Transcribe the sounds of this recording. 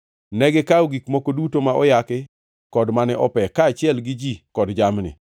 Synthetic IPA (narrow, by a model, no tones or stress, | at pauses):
nɛɡɛkaoɡikmokodutomaʔɔjakɪ | kɔdmanɛʔɔpɛkaːt͡ʃɪɛlɡɪd͡ʒikɔdd͡ʒamnɪ̰